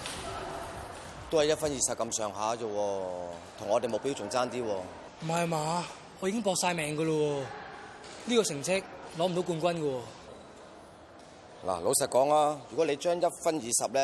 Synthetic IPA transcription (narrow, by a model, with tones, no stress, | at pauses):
t̪o˥hɐ˨jɐ˥t̚fɐ˥njiː˨˧sɐ˨p̚kɐ˧msœː˨˩ŋɦaː˨˥t͡sɔ˧wɔː˧t̪ʰʊ˨˩ŋɔː˨˧te˨jmo˨˧wpi˥wt͡sʊ˨˩ŋt͡saː˥nt̪iː˥wɔː˧ | m̩˨˩ɦɐ˨jmaː˨˧ | ɔː˨˧ji˧˥kɪ˥ŋp̬ɔː˧k̚saː˧jmɛː˨˧ŋkɐ˧lɔ˧wɔː˧ | niː˥kɔː˧sɪ˨˩ŋt͡sʰɪ˥k̚lɔː˨˥m̩˨˩o˨˥wk̬uː˧nkʷɐ˥nkə˧wɔ˧ | la̰ː˨˩lo˨˧wsɐ˨t̚kɔː˨˥ŋaː˧jyː˨˩kɔ˨˥le˨˧jt͡ʃœː˥ŋjɐ˥t̚fɐ˥njiː˨˧sɐ˨p̚lɛ˦˥